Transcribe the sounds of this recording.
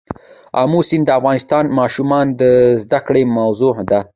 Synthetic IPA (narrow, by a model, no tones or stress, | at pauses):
amusind̪əafɣɑnɪst̪ɑnmɑʃumɑnd̪əzd̪akɽemawzod̪a